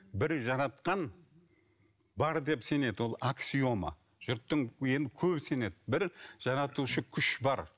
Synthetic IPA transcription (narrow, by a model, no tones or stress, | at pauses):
bɪɾʒɑɾɑt̪qɑn | bɑɾd̪e̞pse̞ne̞d̪ɪwo̞lˠaksijo̞mə̰ | ʒ̥ʊɾt̪ːəŋje̞nɪkʲʰɵbse̞ne̞d̪ɪbɪɾʒ̥ɑɾɑt̪uʃəkʲʰʏʃbɑɾ